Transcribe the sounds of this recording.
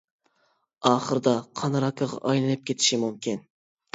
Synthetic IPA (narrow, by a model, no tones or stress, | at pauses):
ɑːχəɾɨd̪ɑqʰɑnɾɑkʰːɑʁɑ̰ʔɑjlˠɨnɨp̚kʲʰet̪ʰɪ̥ʃimumkʲʰin